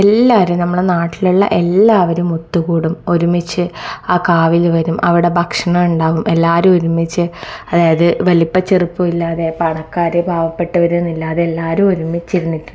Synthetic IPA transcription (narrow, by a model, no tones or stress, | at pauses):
elːaːɾumnɐmːɐɭenaːʈːiluɭːɐ̰ʔe̞lːaːʋɐɾumot̪ːuɣuːɽumo̞ɾumit͡ɕːɨaːkaːʋilʋɐɾumɐʋiɽe̞bʱɐkʂɐɳɐmuɳɖaːʋumʔe̞lːaːɾumo̞ɾumit͡ɕːɨɐðaːjɐðɨʋɐlipːɐt͡ɕːeripːuilːaːðe̞pɐɳɐkːaːɾɨbʱaːʋɐpːe̞ʈːɨʋɐɾunːilːaːðeːlːaːɾumo̞ɾumːit͡ɕːiɾunːitːu